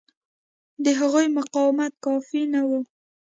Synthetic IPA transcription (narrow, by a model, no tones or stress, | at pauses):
d̪əɦaɣujmʊqɑwɪmat̪̚kɑfinawu